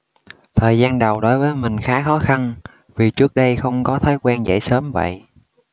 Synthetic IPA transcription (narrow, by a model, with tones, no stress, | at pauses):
t̪ʰəː˨˩jzaː˧nɗə˨˩wɗo˨˦jvəː˨˦jmï˨˩ŋ̟xaː˨˦xɔ˨˦xa˧n | vi˨˩t͡ɕɨ˦˥ək̚ɗə˧jxə˧wŋ͡mkɔ˨˦t̪ʰəː˨˦jkwɛː˧nzə̰˧˩˨jsəː˨˦mvə̰˧˨jʔ